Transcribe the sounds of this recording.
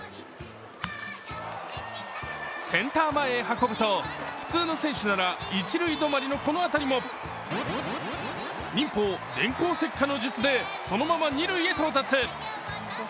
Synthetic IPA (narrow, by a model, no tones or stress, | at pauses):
sẽ̞nt̪aːmaeɦako̞bɯ̟t̪o̞ɸɯ̟̥t͡sɨːno̞sẽ̞ɰ̃ɕɨnaɾait͡ɕiɾɯ̟id̪o̞maɾʲino̞ko̞no̞at̪aɾʲimo̞ | nʲĩmpoːd̪ẽ̞ŋkoːse̞kːano̞ʑɨt͡sɨd̪e̞ | so̞no̞mamaɲ̟iɾɯ̟ie̞t̪o̞ːt̪at͡sɨ